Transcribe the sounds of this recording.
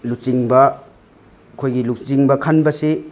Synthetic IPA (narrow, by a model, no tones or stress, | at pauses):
lut͡ʃiŋbɐ | kʰojɡilusiŋbɐkʰanbɐsi